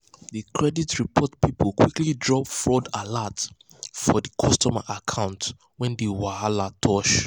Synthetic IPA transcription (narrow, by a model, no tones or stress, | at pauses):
dəkʰɹɛditɹipʰɔtpʰipəlkʰw̥iklidɹɔpfɹɔdalat | fɔdəkʰɔstɔma̰ʔakʰãʊ̃nt | wɛ̃ndewahalatʰɔʃ